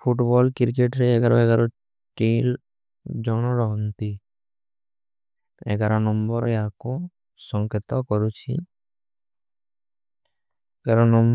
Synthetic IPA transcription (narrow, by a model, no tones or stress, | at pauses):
pʰuʈbɔlkiɾkeʈɾeɛɡaɾɔ̰eɡaɾɔ | ʈil | d͡ʒɔñɔɾɔɦɔnt̪i | ḛɡaɾɔnɔmbɔɾeakɔ | sɔŋket̪ɔkɔɾut͡ʃʰḭ | ɡaɾɔnɔm